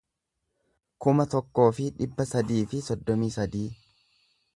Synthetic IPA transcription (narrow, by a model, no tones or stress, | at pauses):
kʊmɐt̪ɔkːo̞ːfɪᶑɪbːɐsɐd̪iːfɪsɔd̪ːɔmiːsɐd̪iː